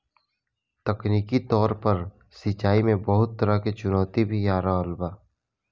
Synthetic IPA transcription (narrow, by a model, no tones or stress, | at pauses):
t̪əkniːkit̪ɔːɾpəɾ | sɪt͡ʃaːimẽbəɦʊt̪ːəɾaket͡ʃʊnɔːt̪ibʱijaːɾalbaː